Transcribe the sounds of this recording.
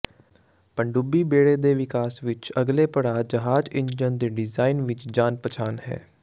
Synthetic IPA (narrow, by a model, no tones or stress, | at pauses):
pəɳɖubiːbeːɽeːd̪eːʋɪkaːsʋɪt͡ʃəɡleːpəɽaːd͡ʒəɦaːd͡ʒɪ̃ɲd͡ʒd͡ʒənd̪eːɖɪzaːinʋɪt͡ʃd͡ʒaːnpət͡ʃʰaːnɦɛ̰ː